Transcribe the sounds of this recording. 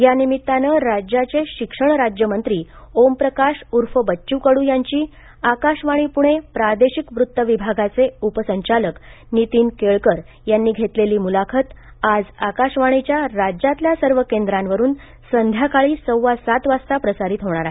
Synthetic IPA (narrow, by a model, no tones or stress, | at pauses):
janimit̪ːanəːɾad͡ʑjat͡seɕikʂəɳɾad͡ʑjəmənt̪ɾiːompɾəkaʂuɾfəbət͡ɕuːkəɽuːjaɲt͡ɕiː | akaɕʋaɽ̃iːpuɽ̃epɾad̪eɕikʋɾut̪ːəʋibʱaɡat͡seupəsəɲt͡ɕalək | nit̪iːnkeɭkəɾ | janːiːɡʱet̪leliːmulakʰət̪ | ad͡zakaɕʋaɽ̃it͡ɕjaɾad͡ʑat̪ljasəɾʋəkend̪ɾãnʋəɾuːn | sənd̪ʱjakaɭiːsəwʋasat̪ʋast̪apɾəsaɾit̪ɦoɳ̃aɾaɦe